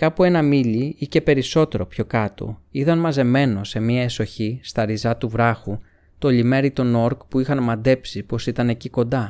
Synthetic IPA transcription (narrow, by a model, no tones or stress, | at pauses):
kɐpue̞nɐmiʎiice̞pe̞ɾiso̞t̪e̞ɾo̞pço̞kɐt̪o̞̰iðɐnmɐze̞me̞no̞se̞mɲiɐe̞so̞çist̪ɐɾizɐt̪uvɾɐxu | t̪o̞ʎime̞ɾit̪ono̞ɾkpuixɐnmɐd̪e̞psipo̞sit̪ɐne̞ciko̞nd̪ɐ